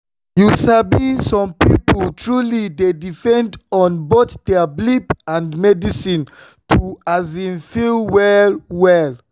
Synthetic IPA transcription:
jusabisɔ̃mpḭpoltɹulidedifɛ̃ndɔ̃nboθd̥ɛablipãndmɛdisĩn | tʰuazĩnfilwɛlwɛl

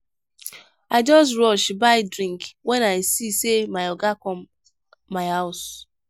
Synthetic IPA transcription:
aɪd͡ʒɔs̬ɹɔʃbaɪdɾĩŋkwɛnaɪsisemaɪɔɡakɔmː | aɪhaʊs

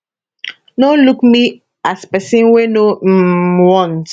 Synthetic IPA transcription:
nolukmi | aspɛsĩnweno | wɔ̃nt

